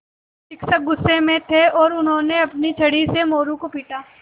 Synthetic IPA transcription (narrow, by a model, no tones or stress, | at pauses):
ʃɪksək̚ɡʊsːemẽt̪ʰeɔːɾʊnɦõːneɐpnit͡ʃʰɐɽisemoːɾũkopiːʈaː